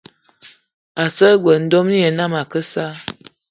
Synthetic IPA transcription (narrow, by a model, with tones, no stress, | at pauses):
a˨sə˦ɡwə˨n̩˦do˦mni˦jə˨na˦ma˨kə˦sa˦